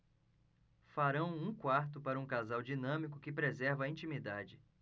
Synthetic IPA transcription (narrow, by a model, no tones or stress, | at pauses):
faɾɐ̃w̃ũkwaɾt̪ʊpaɾɐũkazawd͡ʒinɐ̃mikʊkɪpɾezɛɾvɐĩt͡ʃimid̪ad͡ʒɪ